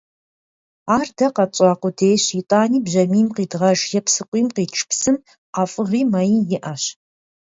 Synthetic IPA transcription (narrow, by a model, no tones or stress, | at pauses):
aːrdɐqɐt͡ʃʼɑaːqʷʊdeːɕitʼaːniːbʑɐmiːmqiːdʁɐʒjɛpsɨqʷʼiːmqiːʈ͡ʂʰpsɨm | aːfʼɨʁiːmɐjijɪʔɐɕ